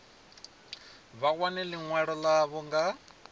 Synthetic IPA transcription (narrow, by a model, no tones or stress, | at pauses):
βaɣwanɛliŋwɛɺɔlaβɔŋɡa